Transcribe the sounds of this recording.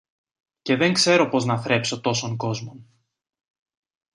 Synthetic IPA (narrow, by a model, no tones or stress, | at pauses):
ce̞ðe̞ŋkse̞ɾo̞po̞znɐθɾe̞pso̞t̪o̞so̞ŋko̞zmo̞n